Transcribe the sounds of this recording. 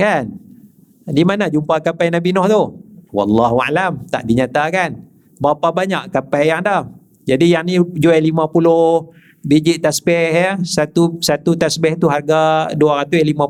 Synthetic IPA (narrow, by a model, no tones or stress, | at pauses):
kan | dimanad͡ʒumpakapajnabinɔht̪uwɑ̰lːaɦua̰lamt̪a̰ʔdiɲat̪akan | bapabaɲaʔkapajaŋdah | d͡ʒadijaŋnid͡ʒuɛjlimãpulʊh | bid͡ʒiʔt̪asbɛhjəsat̪usat̪ut̪asbɛht̪uɦarɡaduaɾat̪ujlimã